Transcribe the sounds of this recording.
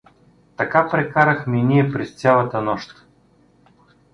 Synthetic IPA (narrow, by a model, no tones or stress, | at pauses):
t̪ɐkapɾɛkaɾəxmʲinʲijɛpɾɛst͡s̪ʲjalˠɐt̪ənɔʃt̪